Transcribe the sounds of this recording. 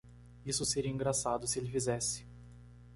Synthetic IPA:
isʊseɾiɐĩŋɡɾasad̪ʊsɪelɪfizɛsɪ̥

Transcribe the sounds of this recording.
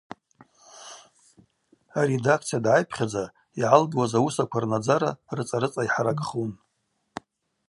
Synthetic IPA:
aɾedakʰt͡sʰijadʕajpʰχʲad͡za | iʕalbwazausakʷʰarnad͡zaɾa̰rɨt͡sʼaɾɨt͡sʼajħaɾakʼχun

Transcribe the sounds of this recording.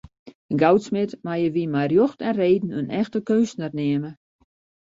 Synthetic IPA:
ənɡawtsmɪtmajəʋiəmajrjoxtɛnreːdn̩ønʔɛxtəkøːsnatnɪəmə

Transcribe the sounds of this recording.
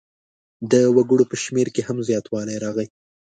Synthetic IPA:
d̪əwaɡəɽopəʃmeɾkehamzjɑt̪wɑlajɾɑɣəj

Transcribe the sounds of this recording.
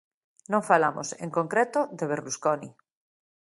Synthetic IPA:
nõŋfalamo̰sḛŋkoŋkɾet̪oðeβ̞eɾluskoni

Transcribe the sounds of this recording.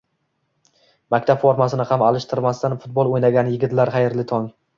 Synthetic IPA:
makʲt̪ʰapfoɾmasɪnɪhamalˠɪʃt̪ʰɪɾmast̪anfʊt̪̚bolˠojnaɡʲanjɪɡʲɪt̪laɾχɑjɪɾlɪt̪ʰɒŋ

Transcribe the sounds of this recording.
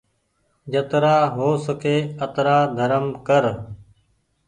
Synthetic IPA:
d͡ʒət̪ɾaːɦoːsəkʰeːət̪ɾaːd̪ʱəɾəmkəɾ

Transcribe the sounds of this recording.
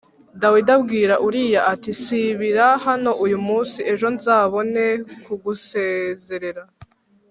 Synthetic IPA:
dawidabɡiːɾaʔuɾijaʔatisiβiɾahano̞ʔujumuːnsie̞ʒo̞nzaːβo̞ne̞kuɡuseze̞ɾe̞ɾa

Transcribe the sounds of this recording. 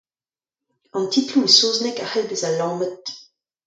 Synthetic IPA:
ɑ̃ntitluesoːznɛkahɛlbezalɑ̃ːmət̪̚

